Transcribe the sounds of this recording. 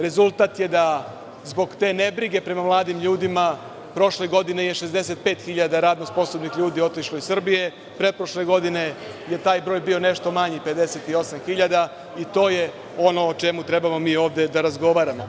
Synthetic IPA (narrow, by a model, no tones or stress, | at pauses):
ɾe̞zulˠt̪aːt̪je̞d̪a | zbo̞ɡt̪e̞ːne̞bɾiɡe̞pɾe̞mamlˠaːd̪imʎuːd̪ima | pɾo̞ʃle̞ɡo̞d̪inejeʃe̞zd̪e̞se̞t̪̚pe̞ːt̪xiʎad̪aɾaːd̪nospo̞sobnixʎuːd̪io̞t̪iʃloisr̩bije̞ | pɾepɾoʃle̞ɡo̞d̪ine̞ | je̞t̪aːjbɾoːjbio̞ne̞ʃt̪o̞maɲipe̞d̪e̞set̪io̞samxiʎad̪a | it̪o̞ːje | ono̞ːt͡ʃe̞mut̪ɾe̞bamo̞miːo̞ːʋd̪e̞d̪aɾazɡo̞ʋaːɾamo̞